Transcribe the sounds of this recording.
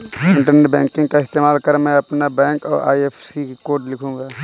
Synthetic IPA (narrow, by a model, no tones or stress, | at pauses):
ɪ̃ɳʈəɾneʈbɛ̃ːŋkɪ̃ŋɡkaɪst̪eːmaːlkəɾmɛ̃ɐpnabɛ̃ːŋkɔ̰ːɾʔa̰ːjeːfʰsikoːɾʈlɪkʰũːŋɡaː